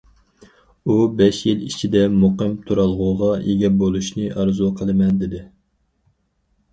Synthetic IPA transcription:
ubɛʃjilit͡ʃʰid̪ɛmoqəmt̪ʰuɾɑlˠʁʊʁɑʔeɡʲɛbolˠuʃnɨʔɑɾzuqʰəlˠɨmɛnd̪ɪd̪ɪ

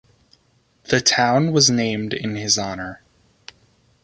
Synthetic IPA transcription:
ðɨtʰãʊ̃nwʌznẽɪ̃mdɪ̰̃nɪzɑnə˞

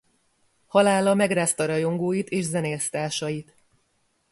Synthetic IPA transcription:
hɒlaːlɒmɛɡraːst̪ɒɾɒjo̞ŋɡoːjit̪eːʃzɛneːst̪aːʃɒjit̪

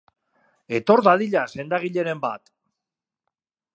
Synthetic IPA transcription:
e̞t̪o̞ɾðaðiʎase̞nd̪aɣ̞iʎe̞ɾe̞mbat̪

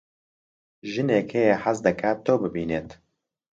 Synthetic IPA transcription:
ʒɨneːkʰejeħazd̪ɨkʰaːt̪ːoːbɨbiːneːt̪

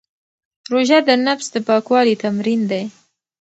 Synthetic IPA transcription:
ɾoʒad̪ənafsd̪əpɑkwɑlit̪amɾind̪aj

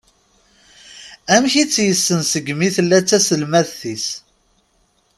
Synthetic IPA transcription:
æmçit͡sːjəsːənsəɡmiθəlːæt͡sːæsəlmæðθis

